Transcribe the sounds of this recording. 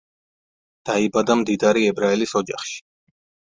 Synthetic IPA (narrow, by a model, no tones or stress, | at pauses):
d̪̥aibad̪amd̪id̪aɾiɛbɾaɛlisɔd͡ʒaχʃi̥